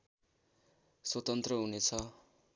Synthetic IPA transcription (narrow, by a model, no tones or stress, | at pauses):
swʌt̪ʌnt̪rʌɦunet͡sʰʌ